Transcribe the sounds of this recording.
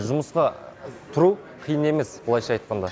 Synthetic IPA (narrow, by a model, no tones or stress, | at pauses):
ʒʊməsqɑt̪ʰʊɾu | qʰijəne̞me̞sbəlˠɑjʃɑjt̪̚qɑnd̪ɑ